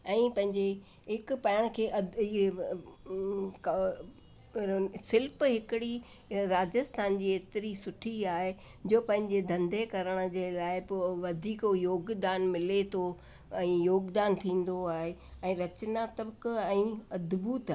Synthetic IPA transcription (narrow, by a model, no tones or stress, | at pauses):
ɛ̃ːpɐ̃ɦɪ̃ɲd͡ʑe | ɦɪkpɐəɽ̃kʰeːʔɐ | k | sɪlpɦɪkɪɽi | ɾaːd͡ʑəst̪ʰaːnd͡ʑiːeːt̪ɪɾisʊʈʰiaːɦed͡ʑoːpɐ̃ɦɪ̃ɲd͡ʑed̪ʱɐ̃nd̪ʱekɐɾəɽ̃̆d͡ʑeːlaːɪpʋɐd̪ʱiːkojoːɡd̪aːnmɪlet̪ʰo | ɛ̃ːjoːɡd̪aːnt̪ʰĩːn̆d̪oaːɦeɛ̃ːɾɐt͡ɕnat̪ɐbkɛ̃ːɐd̪buːt̪